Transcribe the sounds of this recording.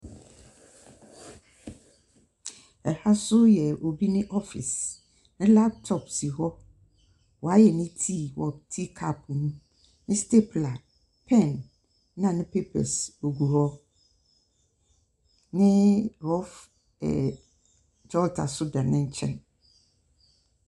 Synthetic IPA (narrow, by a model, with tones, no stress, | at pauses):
ɛ˨ha˦sʊ˦jɛ˨o˨bi˦nɪ̃˦ʔɔ˦fɪ̰˨s | nɪ̃˦la˦p̚tʰɔ˨psi˨ɦɔ˦ | wɔ˨a˦jɛ˨nɪ̃˦tʰi˦wɔ˨tʰi˦kʰa˦˨pʰnũ˦ | nɪ̃˦ste˦pʰla˨ | pʰɛ̃˦˨nː | ã˨nɪ̃˦pʰe˦pʰɛ̰˨so˨ɡu˨hɔ˦ | nɪ̃˦ɾɔ˦f | ɛ̰˨ | d͡ʒɔ˦ltʰa̰˨sʊ˦dã˨nɪ̃˦ɲ˦t͡ɕʰɛ̰̃˦n